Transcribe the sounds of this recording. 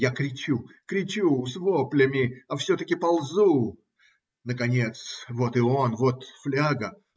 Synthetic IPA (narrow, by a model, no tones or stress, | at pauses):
jakɾʲɪt͡ɕukɾʲɪt͡ɕusvo̞plʲɪmʲɪɐfsʲɵt̪əkʲɪpɐlˠzu | nəkɐnʲe̞t̪svo̞t̪ɨo̞nvo̞t̪flʲaɡə